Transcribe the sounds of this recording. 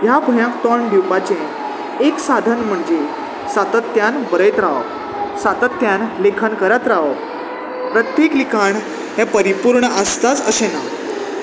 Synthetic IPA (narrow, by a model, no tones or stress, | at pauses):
jabʱəjãkt̪əɳɖiwpat͡ɕẽː | ksad̪ʱənm̤əɳd͡ze | sat̪ət̪ːjanbəɾəjt̪ɾaʋə | sat̪ət̪ːjanlekʰənkəɾət̪ɾaʋə | pɾət̪ːjeklikʰaɳ | ɦãpəɾipuɾɳəʔəst̪at͡səsen